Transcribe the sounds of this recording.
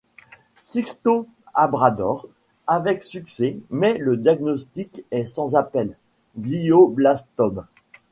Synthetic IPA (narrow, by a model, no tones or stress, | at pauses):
sikst̪o | abʁad̪ɔʁ | avɛksyksɛmɛləd̪jaɡnɔst̪ikɛsɑ̃zapɛl | ɡlioblast̪ɔm